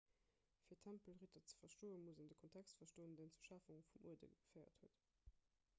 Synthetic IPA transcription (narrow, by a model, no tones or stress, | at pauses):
fiːɐtʰæmpəlʁitɐt͡sə̥fɐʃtoːənmuzəndəkʰontʰækstfɐʃtoːəndeɪnt͡suʃafuŋfumṵədə̰ɡəfɜɪɐ̰thuət